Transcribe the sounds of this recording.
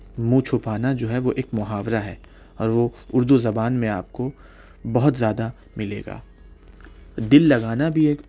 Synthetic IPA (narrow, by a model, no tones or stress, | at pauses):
mũt͡ʃʰʊpaːnad͡ʒoːɦɛʋoʔeːkmʊɦaːʋɾaɦɛ̰ː | ɔːɾʋoʊɾd̪uzɐbaːnmẽa̰ːp̚ko | bɐɦʊt̪zjaːd̪a | mɪlḛːɡa̰ː | d̪ɪlːɐɡaːnabʱieːk